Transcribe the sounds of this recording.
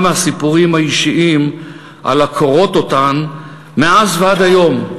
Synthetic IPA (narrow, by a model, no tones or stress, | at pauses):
mehasipuʁimhaiʃiʔim | ʔa̰lakʰo̞ʁo̞to̞tan | meazvead̪ajo̞m